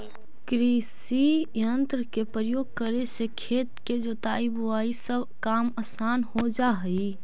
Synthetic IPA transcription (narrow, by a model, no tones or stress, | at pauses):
kɾis | ijənt̪ɾəkepɾəjoːɡ̚kəɾesekʰeːt̪ked͡ʒoːt̪aːibʊaːisəbʱ | kaːmasaːnhod͡ʒaːɦiː